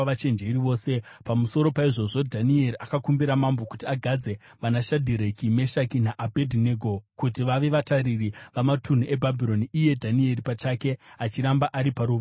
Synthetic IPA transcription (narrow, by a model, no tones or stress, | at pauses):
ʋat͡ʃe̞nd͡ʒe̞iɾiʋo̞ːse̞ | pamuso̞ɾo̞paiʐo̞ʐo̞dʱanie̞ɾiʔakakumbiɾamambo̞kutiaɡʱad͡ze̞ | ʋanaʃadʱiɾekime̞ʃakinaʔabʱedʱineɡʱo̞kutiʋaʋe̞ʋataɾiriʋamatun̤ue̞bʱabʱiɾo̞niije̞dʱanie̞ripat͡ʃake̞at͡ʃiɾambaʔaɾipaɾuːʋ